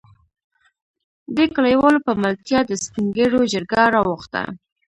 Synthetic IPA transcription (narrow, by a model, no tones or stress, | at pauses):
d̪əkalajwɑlopəmalt̪jɑd̪əspiŋɡəɽod͡ʒəɾɡaɾɑwʊxt̪a̰